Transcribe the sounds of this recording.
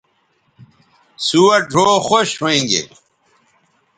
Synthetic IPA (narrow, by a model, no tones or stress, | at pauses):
suːɐɖʱoːxoɕɦoẽːŋɡḛː